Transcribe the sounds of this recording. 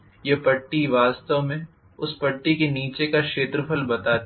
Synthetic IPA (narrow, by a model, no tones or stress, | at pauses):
jɐpɐʈːiʋaːst̪əʋmẽ | ʊspɐʈːikeniːt͡ʃekakʃeːt̪ɾəpʰəlbɐt̪aː